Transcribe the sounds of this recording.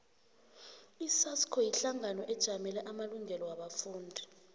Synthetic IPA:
isaskʰɔjiɬaŋanɔʔɛd̥ʒ̥ʱamɛlɛʔamaluŋɛlɔwaɓafuːndʱi

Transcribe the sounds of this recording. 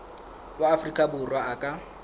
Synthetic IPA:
baafrikʼabʊrwaakʼa

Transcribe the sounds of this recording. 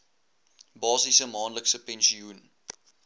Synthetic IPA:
bɑːsisəmɑːnləksəpɛ̃nʃiun

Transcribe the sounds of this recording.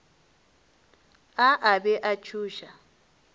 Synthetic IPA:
aʔabɛʔat͡ʃʰuːʃa

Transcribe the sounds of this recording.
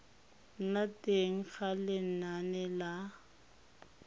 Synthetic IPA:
n̩natʼeŋ̩χalɪn̩nanɛla

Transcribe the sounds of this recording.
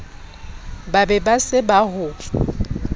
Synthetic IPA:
babɛbasɪbaɦʊ

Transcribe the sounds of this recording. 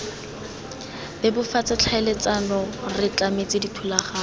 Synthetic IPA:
bɛbʊfat͡sat͡ɬʰaɪlet͡sanɔrɪt͡ɬamet͡sɪditʰulaχaː

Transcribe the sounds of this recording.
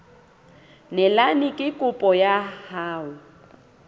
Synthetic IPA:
nɛlanɪkʼɪkʼʊpʼɔjahaːʊ

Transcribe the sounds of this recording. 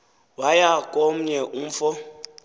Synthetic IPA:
wajakʼom̩ɲɛʔum̩fɔ

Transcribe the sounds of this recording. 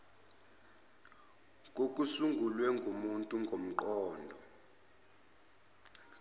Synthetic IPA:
k̬ʼok̬ʼusuŋɡʱulwɛŋɡʱumuntʼuŋɡʱom̩ǃɔːndʱɔ

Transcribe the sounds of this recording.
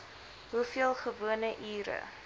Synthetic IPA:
ɦufiəlˠχəvuənəʔiːɾə̰

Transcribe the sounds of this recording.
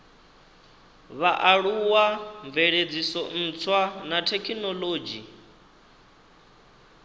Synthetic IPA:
βaʔaɺuwaɱb̪veɺed͡zisɔn̩ːt͡sʰwanatʰɛkʰinɔloːd͡ʒi

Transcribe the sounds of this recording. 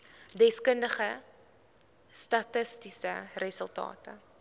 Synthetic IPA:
dɛskəndəχə | stɐtəstisərəsəlˠtɑ̰ːtə

